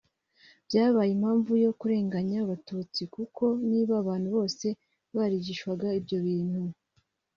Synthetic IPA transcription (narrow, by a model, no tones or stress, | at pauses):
b̥jaːβajimhaːɱvujo̞kuɾe̞ːŋɡaɲaβatuːt͡sikuko̞niːβaːβaːn̥huβo̞ːse̞ | βaɾiɟiʃkwaɡaibɟo̞βiːn̥hu